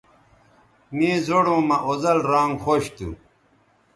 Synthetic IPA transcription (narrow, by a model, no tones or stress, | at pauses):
mĩːzoɽõːmɐʔozɐlɾãːŋɡxoːɕt̪ṵ